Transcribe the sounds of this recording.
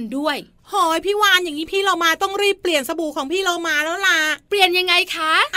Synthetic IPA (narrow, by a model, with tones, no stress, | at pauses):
ndu˥˩əj | hɔː˨˧˩jpʰiː˥˩waː˥˩nja˨˩ŋːiː˦˥pʰiː˥˩laː˧wmaː˧t̪ɔ˥˩ŋɾiː˥˩pːli˨˩ənsa˧buː˨˩kʰɔː˩˦ŋpʰiː˥˩loː˧wmaː˧lɛː˦˥wlaː˧pli˨˩ənja˧ŋːa˧jkʰa˦˥ʔ